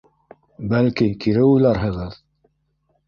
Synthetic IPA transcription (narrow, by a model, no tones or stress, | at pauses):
bælkikiɾɘujlˠɑɾɦɤ̆ʁɤð